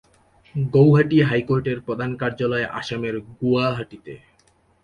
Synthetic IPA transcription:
ɡowɦaʈiɦajkoɾʈeɾpɾod̪ʱankaɾd͡ʑalɔeʔa̰ʃameɾɡuaɦaʈit̪ḛ

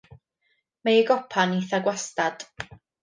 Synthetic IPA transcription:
mejɡɔpʰaniθaɡwastad̥

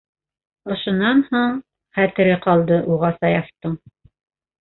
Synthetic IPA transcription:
ŏʃŏnːɑnhuɴ | χæt̪ɘ̆ɾɘqɑlˠd̪ɤʔuʁɑsɑjɑft̪ɤɴ

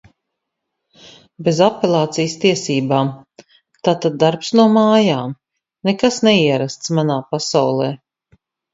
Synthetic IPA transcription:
bezapɛlˠaːt̪sijst̪iɛsiːbaːm | t̪aːt̪ad̪̚ːaɾpsnuɔmaːjaːm | nɛkasnɛiɛɾast̪smanaːpasawlˠɛː

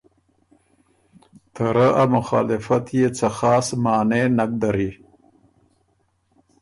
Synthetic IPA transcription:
t̪ʰaɾəʔamʊxɑːlɪfat̪jet͡saxɑːsmɑːnenak̚d̪aɾi

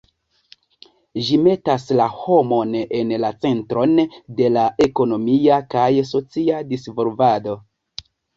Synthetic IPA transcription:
ʒime̞taslaho̞mo̞ne̞nlat͡se̞ntɾo̞nde̞lae̞ko̞no̞miakajso̞t͡siadisvolvado̞

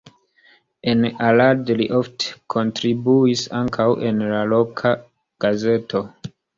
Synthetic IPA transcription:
enaladliʔo̞ftʰe̥kʰo̞ntɾibuisaŋkʰawʔe̞nlalo̞kʰa | ɡ̥aze̞tʰo̞

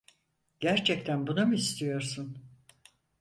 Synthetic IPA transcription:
ɟ̥æɾt͡ʃʰɛct̪ʰænbunamɯist̪ʰijo̞ɾsun

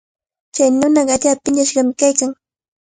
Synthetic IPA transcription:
t͡ʃajnʊnɑɢɑʎapɪɲaʃɢɑmɪkajkaŋ

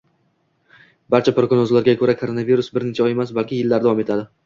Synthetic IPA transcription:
baɾt͡ʃʰapɾokonozlaɾɡʲakʰoɾakʰoɾo̞naviɾʊsbɪɾnet͡ʃʰaɒje̞masbalkʲʰɪjɪlːaɾd̪avɒme̞t̪ʰad̪ɪ

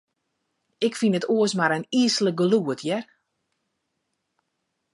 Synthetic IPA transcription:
ɪkfinətuəsmaɾəniəslək̚ɡəluətʰjɛr

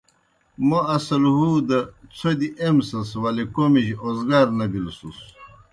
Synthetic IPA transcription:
moɐsɐlɦud̪ɐt͡sʰod̪iʔemsɐswɐlikomiʑozɡaːɾnɐbilsus

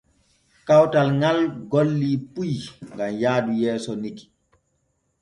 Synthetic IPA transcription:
kawtalŋalɡolːipujŋɡamjaːdujɛːsɔniki̥

